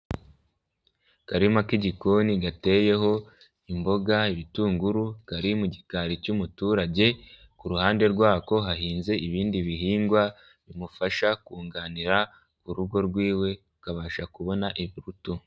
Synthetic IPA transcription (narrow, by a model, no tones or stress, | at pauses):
kaɾimakiɟikoniɡate̞ːje̞ɦo̞ | imbo̞ɡaiβituːŋɡuɾukaɾimuɟikaɾicumutuːɾaɟe̞ | kuɾuhaːnde̞ɾɡwaːko̞ɦaɦiːnze̞iβiːndiβiɦiːŋɡwa | βimufaʃakuːŋɡaːniɾa | kuɾuɡo̞ɾɡwiːwe̞ukaβaːʃakuβo̞naʔiβiɾutu